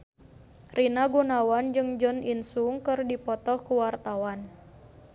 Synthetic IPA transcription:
rinaɡunawand͡ʒɨŋd͡ʒɔninsuŋkɨrdipɔt̪ɔhkəwart̪awan

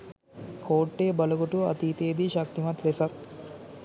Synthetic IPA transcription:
kʰoːʈːeːbɐlɐkuʈuɐ̰t̪iːt̪eːd̪iʃɐk̚t̪imɐt̪lesɐt̪̚

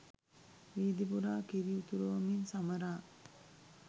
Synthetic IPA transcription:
ʋiːd̪ipuɾaːkiɾiut̪uɾuʋɐminsamɐɾaː

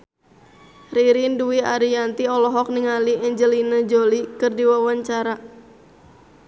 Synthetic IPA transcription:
riɾinduiaɾijant̪iɔlɔɦɔk̚niŋaliɛɲd͡ʒəlinəd͡ʒolikɨrdiwawaɲt͡ʃaɾa

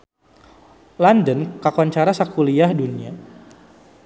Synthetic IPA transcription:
landənkakuant͡ʃaɾasakuliahdunia

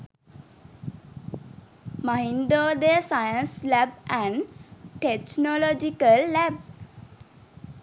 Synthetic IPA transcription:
maɦind̪oːd̪esajənslæbæ̃ɳʈet͡ʃnolɔd͡ʒikəlːæb̚

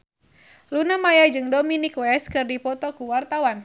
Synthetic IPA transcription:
lunamajad͡ʒɨŋdominikwɛskɨrdipɔt̪ɔkuwart̪awan

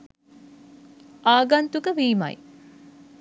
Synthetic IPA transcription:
ʔaːɡant̪ukəʋiːma̰j

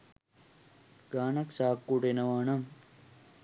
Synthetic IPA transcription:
ɡ̥aːnɐksaːkːuʈenɐʋaːɳɐm

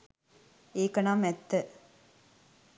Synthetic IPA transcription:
eːkənamɛt̪ːə

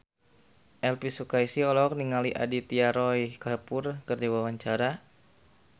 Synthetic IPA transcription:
ʔɛlpisukaisiɔlɔk̚niŋaliʔa̰dit̪iaɾɔjkapʊrkərdiwawaɲt͡ʃaɾa

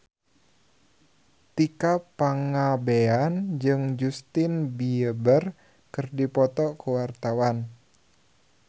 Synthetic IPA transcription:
t̪ikapaŋabeand͡ʒɨŋd͡ʒust̪inbiəbər | kɨrdipɔt̪ɔkuwart̪awan

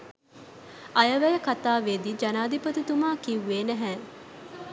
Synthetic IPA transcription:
ɐjəʋæjəkat̪aːʋeːd̪id͡ʒɐnaːd̪ipət̪ut̪umaːkiuʋeːnəɦɛː

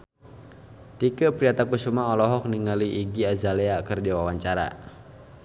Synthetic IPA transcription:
t̪ikəpɾiat̪akusumaɔlɔɦɔk̚niŋaliʔːɡiazaleakərdiwawaɲt͡ʃaɾa̰

